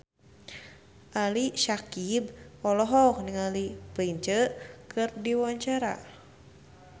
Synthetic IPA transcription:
ʔaliʃakibɔlɔɦɔk̚niŋalipəiɲt͡ʃəkʰɨrdiwaɲt͡ʃaɾa̰

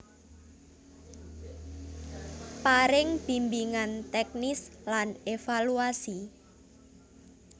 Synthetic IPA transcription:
paɾɪŋb̥imbiŋant̪ɛk̚nislanefaluasi

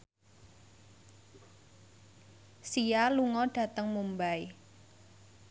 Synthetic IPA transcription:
sijaluŋɔɖ̥ä̤t̪əŋmumbai

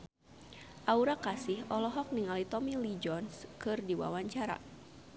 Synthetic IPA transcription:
ʔauɾakasihʔɔlɔɦɔk̚niŋalit̪ɔmilid͡ʒɔnskɨrdiwa̰waɲt͡ʃaɾa̰

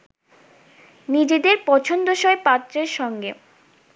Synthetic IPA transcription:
nid͡ʑed̪eɾpɔt͡ɕʰond̪oʃɔepat̪ːɾeɾʃɔŋɡe

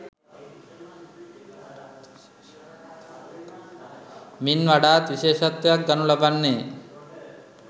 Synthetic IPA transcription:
minʋaɖaːt̪ʋiʃeːʃat̪ːjak̚ɡanulabanːeː

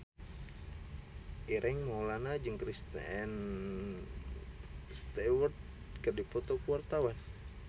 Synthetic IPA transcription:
ʔiɾʔɛŋmolanad͡ʒɨŋkɾist̪ɛn | st̪ɛwərt̪̚ | kərdipɔt̪okuwart̪awan

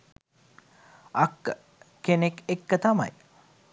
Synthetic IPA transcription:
akːə | kenekekːət̪ama̰j

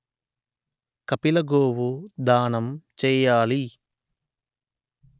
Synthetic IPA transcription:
kɐpilɐɡoːwud̪aːnɐmt͡ʃɛːjaːli

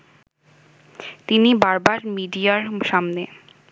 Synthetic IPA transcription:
t̪inibaɾbaɾmiɖijaɾʃamne

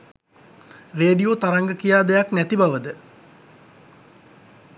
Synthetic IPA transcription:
reːɖijot̪aɾaŋɡəkijaːd̪ejaknæt̪ibaʋəd̪ə

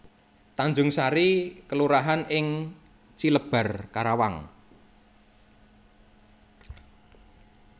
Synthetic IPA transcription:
t̪aɲd͡ʒʊŋsaɾikəluɾaɦanɪŋ | t͡ʃiləb̥a̤rkaɾawa̰ŋ

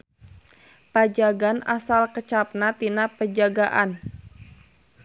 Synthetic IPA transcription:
pad͡ʒaɡanʔa̰salkət͡ʃap̚nat̪inapəd͡ʒaɡaʔan

